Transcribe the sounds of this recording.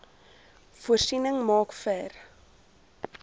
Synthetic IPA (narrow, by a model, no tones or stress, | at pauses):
fuərsinəŋmɑːkfæːr